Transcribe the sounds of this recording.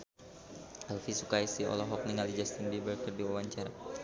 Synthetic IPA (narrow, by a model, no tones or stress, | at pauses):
ɛlfisukaisiɔ̰lɔɦɔk̚niŋalid͡ʒast̪inbibərkərdiwawaɲt͡ʃaɾa